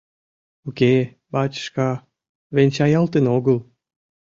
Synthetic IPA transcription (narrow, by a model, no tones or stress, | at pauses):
oke | bɑt͡ɕə̥ʃkɑ | venʲt͡ɕɑjɑlt̪enoɣəl